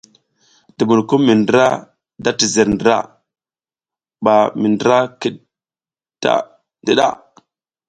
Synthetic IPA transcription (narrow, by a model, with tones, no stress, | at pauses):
d̥i˨mu˨ɾku˦mːi˨ndə˦ɾa˦ | da˦ti˨zə˨ɾndɾa̰˦˨ | ɓa˨mi˨ndə˦ɾa˦ki˦ɗ | da̰˦ | ddi˨ɗa̰˦˨